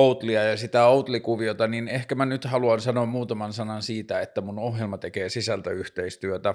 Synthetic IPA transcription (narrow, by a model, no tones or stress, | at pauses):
out̪liɑjɑsit̪æout̪likuʋiot̪ɑninehkæmænyt̪hɑluɑnsɑnoːmmuːt̪ɑmɑnsɑnɑnsiːt̪æet̪ːæmunohjelmɑt̪ekeːsisælt̪æyht̪eist̪yøt̪æ